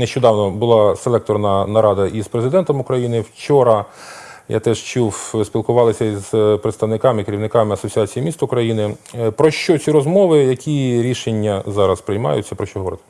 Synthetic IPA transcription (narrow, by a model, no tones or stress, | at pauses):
neʃt͡ʃɔd̪ɑwnɔbʊlˠɑselˠɛk̚t̪ɔrnɐnɐɾɑd̪ɐʔizpɾezɪd̪ɛnt̪ɔmʊkɾɐjinɪwt͡ʃɔɾɐ | ja̰t̪ɛʃt͡ʃuwsʲpʲilˠkʊʋɑlˠɪsʲɐizpɾɪt̪st̪ɐʋnɪkɑmɪikeɾʲiwnɪkɑmɪɐsɔt͡sʲiɑt͡sʲijimʲist̪ɐʊkɾɐjinɪpɾɔʃt͡ʃɔt͡sʲiɾɔzmɔʋɪjɐkʲʰiɾʲiʃenʲːɐzɑɾɐspɾɪjmɑ̰jʊ̰t͡sʲːɐpɾɔʃt͡ʃɔɦɔʋɔɾɪt̪ɪ̥